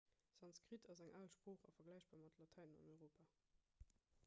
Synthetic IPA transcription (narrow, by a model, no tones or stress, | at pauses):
z̥ɑnskʁ̥itʰɑzæŋʔaːlʃpʁoːχɑ̰fɐɡlæɪɕb̥aːʁmɑtlɑtʰaɪnənɑ̰nɔʏʁoːpaː